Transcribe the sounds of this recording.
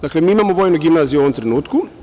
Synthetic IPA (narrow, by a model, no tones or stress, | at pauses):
d̪aklemiːimaːmoʋoːjnoɡimnazijuoomt̪ɾenuːt̪ku